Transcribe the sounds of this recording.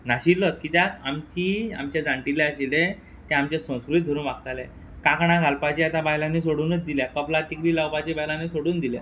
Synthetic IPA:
naɕillɔt͡skit̪jakamt͡ɕia̰mt͡ɕed͡zãɳʈileəɕile | t̪ẽamt͡ɕesə̃w̃skɾuiːt̪̚d̪ʱoɾuːnʋak̚t̪alẽ | kakəɽ̃aɡʱalpat͡ɕiat̪ãbajlãnːiːsoɽuːnət͡sd̪iljakəplat̪ikɾiːlawpat͡ɕibajlanːisoɽuːnd̪ilja̰

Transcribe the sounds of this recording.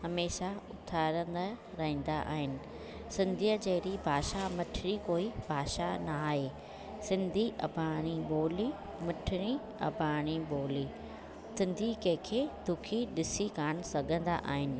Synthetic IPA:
ɦɐmeːʃaʊt̪ʰaːɾə̃nd̪a | ɾɐɦĩːnd̪aʔa̰ːɦɪnɪ̆ | sɪ̃nd̪ʱijət͡ɕɐɦɾibʱaːʃamɐʈʰɪɾikoːibʱaːʃanaːɦeː | sɪ̃nd̪ʱiʔɐ̰bʱaːɽ̃iboːli | mɐʈʰɪɽ̃i | ɐ̰bʱaːɽ̃iboːli | sɪ̃nd̪ʱikɐ̃kʰeːd̪ʱʊkʰiɗɪsikaːɽ̃sɐɡʱə̃nd̪a̰ʔa̰ːɦɪnɪ̆

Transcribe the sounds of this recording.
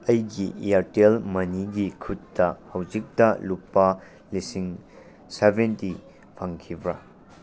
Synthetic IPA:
ɐjɡiaɾtelmɐniɡikʰutːɐhɐwzik̚tɐlupːɐ | lisiŋ | sebenti | pʰaŋkʰibɾɐ

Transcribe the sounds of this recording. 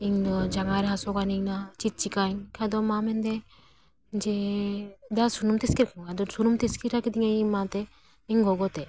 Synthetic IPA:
iŋdɔd͡ʒaŋaɾɛɦasɔkaniŋnat͡ʃit̪̚t͡ʃikankʰad̪ɔmamɛnd̪ɛ | d͡ʒɛ | d̪asunumt̪ɛskiɾkʰakad̪ɔsunumt̪ɛskiɾakid̪iŋaimat̪ɛ | iŋɡɔɡɔt̪ɛ

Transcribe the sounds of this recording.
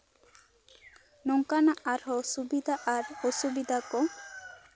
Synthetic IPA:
nɔŋkanaʔaɾɦɔsubid̪ʱaʔaɾɔsubid̪ʱakɔ

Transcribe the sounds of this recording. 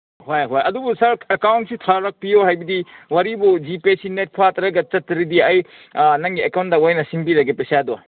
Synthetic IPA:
ɦojɦojɐdubusɐɾekawntsitʰaɾɐk̚pijoɦajbidiwaɾibud͡ʒipesinet̚pʰatɐɾɐɡɐt͡ʃɐtːɐɾidiɐj | nɐŋɡiekawntdɐwajnɐsiŋbilaɡepesadɔ

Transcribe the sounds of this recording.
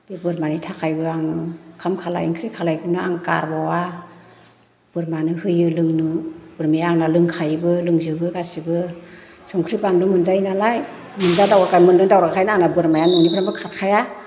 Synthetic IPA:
d̥ebɯɾmanitʰakʰajbɯaŋɯkʰamkʰala̰jḭŋkʰɾikʰalajkʰɯnɯaŋka̰ɾbawa | b̥ɯɾmanɯhɯjɯlɯŋnɯb̥ɯɾmiaŋnalɯŋkʰajbɯlɯŋzɯbɯɡasibɯ | sɔŋkʰɾipannɯmɯnzainalaj | mɯnzadawɾakʰajmɯndɯŋdawɾakʰajnaaŋnabɯɾmajanɔŋnibʰɾambɯkʰat̚kʰaja

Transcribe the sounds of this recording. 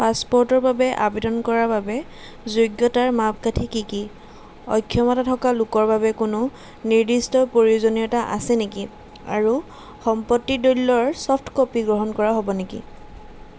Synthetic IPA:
paspɔɹtɔɹbabɛʔa̰bedɔnkɔɹababɛ | zuɡjɔtaɹmap̚katʰikiki | ɔ̰jkʰːjɔmɔtatʰɔkalukɔɹbabɛkʊnʊ | niɹdistɔpoɹiozonijɔtaʔa̰sɛneki | a̰ɹu | xɔmpɔtːidolːɔɹsɔpʰtʰkopiɡɹɔɦɔnkɔɹaɦɔbɔnekḭ

